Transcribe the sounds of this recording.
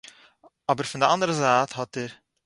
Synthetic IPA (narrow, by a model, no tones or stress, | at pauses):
ɔbəɾfəndəɑndəɾəzaːthɔt̚əɾ